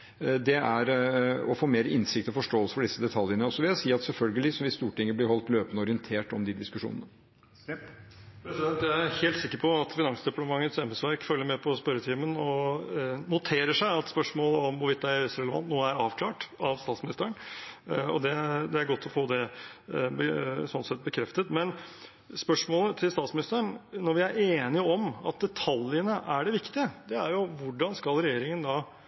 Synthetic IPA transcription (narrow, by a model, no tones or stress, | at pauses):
d̪ɛæɾɔfoːmeːɾəɪnsɪk̚t̪ɔfɔʂʈoːəlsə̥fɔɖɪsːəd̪ɛt̪ʰɑljənəɔsːɔʋɪljæsiːɑt̪sɛlfœlɡəlɪsɔmʋɪst̪uːʈɪŋːəblɪɾhɔlt̪løːpənəɔɾɪənt̪ʰeːʈɔmd̪ɪd̪ɪskʉʂṵːnənə | pʰɾɛsɪd̪ɛnt̪jæɪæheːlt̪sɪkːəɾpʰɔɑt̪fɪnɑŋsd̪ɪpɑt̪əmɑŋːət̪sɛmɛsʋɑɾkfœlːəɾmɛpʰɔspœɾət̪ʰiːmənɔ | nʊt̪ʰeːɾəʂæɪɑt̪spœʂmoːləɔmʋʊʋɪt̪̚d̪æɪɾʋɪst̪ɾɛləʋɑ̰nt̪nuːəæɾɑːʋkʰlɑːʈɑʋst̪ɑːt̪smɪnɪst̪əɾəɳ | ɔ̰d̪ɛd̪ɛæɾɡɔt̪ʰːɔfoːd̪ɛ | bəsɔnt̪sɛt̪̚bəkʰɾɛft̪ət̪mɛn | spœʂmoːlət̪ʰɪlst̪ɑːt̪smɪnɪst̪əəɳnɔɾʋɪæɾʔeːnɪəɔmɑ̰t̪̚d̪ɛt̪ʰɑljənəʔæɖɛʋɪkt̪ɪəd̪ɛæɾjʊʋʊɖɑnskɑlɾɛjeːɾɪŋənd̪ɑː